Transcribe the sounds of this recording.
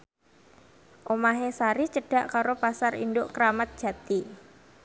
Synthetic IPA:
ʔomaɦesaɾit͡ʃəɖ̥a̤ʔkaɾopasarḭnd̪ʊʔkəɾamat̪̚d̥ʒ̥ä̤t̪i

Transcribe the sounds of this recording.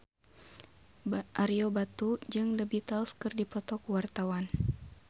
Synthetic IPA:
ʔaɾiobat̪ud͡ʒɨŋdəbit̪alskɨrdipɔt̪ɔkuwart̪awan

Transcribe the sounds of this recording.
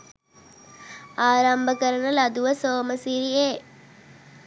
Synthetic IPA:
aːɾɐmbʱɐkɐɾɐnɐlɐd̪uʋɐsoːmɐsiɾieː

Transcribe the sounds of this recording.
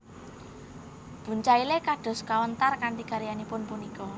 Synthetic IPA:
b̥ṳɲt͡ʃailekaɖ̥ɔ̤skawənt̪arkaɳʈ̪ikaɾijanipʊnpunikɔ

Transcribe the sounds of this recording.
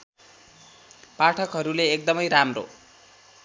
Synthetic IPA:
paʈʰʌkɦʌɾuleːk̚d̪ʌmʌjɾamro̰

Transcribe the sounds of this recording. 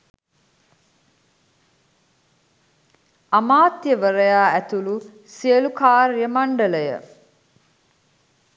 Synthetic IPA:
amaːt̪jəʋəɾəjaːæt̪ulu | siəlukaːɾjəmaɳɖələjə̰

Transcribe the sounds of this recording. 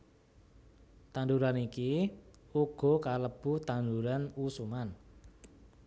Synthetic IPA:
t̪and̪uɾaniki | uɡ̥ɔ̤kaləb̥ṳht̪anduɾanusuman

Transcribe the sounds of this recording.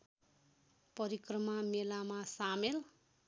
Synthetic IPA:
pʌɾikrʌmamelamasamel

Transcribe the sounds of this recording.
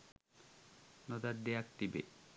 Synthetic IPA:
nod̪aɾd̪eak̚t̪ibḛ

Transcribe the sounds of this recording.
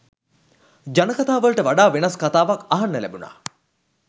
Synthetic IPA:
d͡ʒanəkat̪aːʋəlʈəʋaɖaːʋenaskat̪aːʋakaɦanːəlæ̰buna̰ː

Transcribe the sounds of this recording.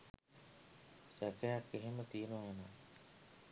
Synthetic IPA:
sækəjakːeɦemət̪iːnuʋajanaː

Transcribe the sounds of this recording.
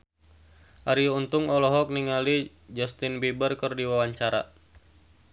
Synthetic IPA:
ʔaɾiunt̪uŋɔlɔɦɔk̚niŋali | d͡ʒɔst̪inbibərkərdiwawaɲt͡ʃaɾa̰

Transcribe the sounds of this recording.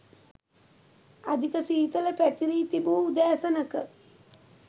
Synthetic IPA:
ad̪ikəsiɦit̪ələpæt̪iɾiːt̪ibuːud̪æːsənəkə

